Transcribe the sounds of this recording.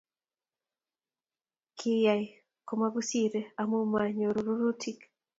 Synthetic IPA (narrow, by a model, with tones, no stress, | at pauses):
kʰi˦ja˨j | ko˨ma˦ɡu˦si˦ɾea˨mu˦maɲo˨ɾuɾu˦ɾu˦tʰik